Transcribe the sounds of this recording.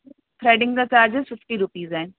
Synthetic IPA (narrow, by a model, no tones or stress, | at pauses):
fʰɾeːɖɪ̃ŋɡk̪at͡ʃaːɾd͡ʒɦɛfɪfʰʈiɾupiːzɛːn